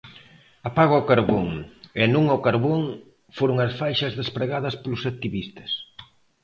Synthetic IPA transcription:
apaɣokaɾβoŋenũŋokaɾβoŋ | foɾʊŋɐsfajʃɐzðespɾeɣaðɐspolʊsak̚t̪iβist̪ɐ̥s

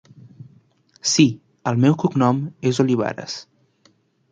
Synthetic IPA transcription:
si | əlˠmɛwkuknɔmezoliβ̞a̰ɾə̰s

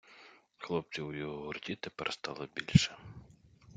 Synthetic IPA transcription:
xlˠɔp̚t͡s̪ʲiwjɔɦɔɦʊrt̪ʲit̪ɪpɐɾʔɐst̪alˠɐbʲilʲʂɛ

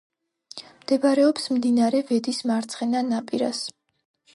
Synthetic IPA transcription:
md̪̥ɛbaɾɛɔpsmd̪inaɾɛvɛd̪ismaɾt̪sʰχɛnanapʼiɾa̰s

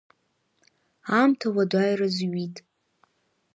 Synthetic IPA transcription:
amtʰawadʷajrazɥitʼ

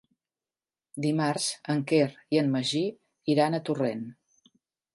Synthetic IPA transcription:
d̪imaɾz̥əŋkeriənməʒi | iɾanət̪uren

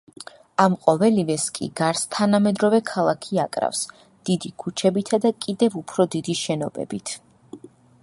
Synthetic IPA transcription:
amqʼɔvɛlivɛskʼḭɡaɾst̪ʰanamɛd̪ɾɔvɛkʰalˠakʰiakʼɾa̰fs | d̪̥id̪ikʰut͡ʃʰɛbit̪ʰad̪akʼid̪ɛvupʰɾɔd̪id̪iʃɛnɔbɛ̰bit̪ʰ

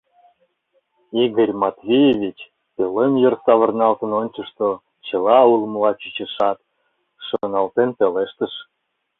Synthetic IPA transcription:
iɣəɾʲmɑt̪vʲijevʲit͡ɕ | pelemjərsɑβə̆rnɑlt̪ənonʲt͡ɕəʃt̪o | t͡ɕə̆lɑulməlɑt͡ɕyt͡ɕəʃɑt̪ | ʃonɑlt̪enpeleʃt̪əʃ

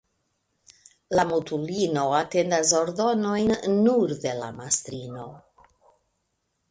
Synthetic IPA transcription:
lamutulino̞ate̞ndas̬o̞ɾdo̞no̞jnːuɾde̞la̰mastɾino̞

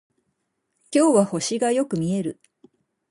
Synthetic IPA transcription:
kʲo̞ːβaho̞ɕiɡajo̞kɯ̟mʲie̞ɾɯ̟

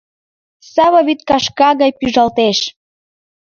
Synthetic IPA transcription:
sɑβaβit̪̚kɑʃkɑɣɑjpyʒɑlt̪eʃ

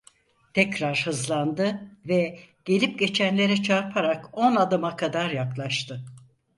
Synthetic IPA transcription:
t̪ʰɛcɾaɾhɯzlˠand̪ɯvɛɟ̥e̞lʲip̚ɟe̞t͡ʃʰænlʲe̞ɾɛt͡ʃʰaɾpʰaɾako̞nad̪ɯmakʰad̪aɾjaklˠaʃt̪ʰɯ

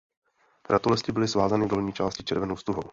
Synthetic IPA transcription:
ɾat̪olɛsc̪ɪbɪlɪsvaːzanɪdo̞lɲiːt͡ʃaːscɪ̥t͡ʃɛɾvɛnowst̪uɦo̰w

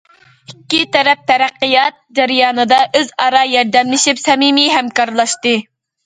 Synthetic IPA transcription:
ikʲːit̪ɛɾɛp̚t̪ʰɛɾæqːɨjɑt̪̚d͡ʒɛɾjɑːnɨd̪ɑʔøzɑɾɑjɛɾd̪ɛmlɪʃipsɛmimiɦæmkɑɾlˠɑʃt̪ɨ

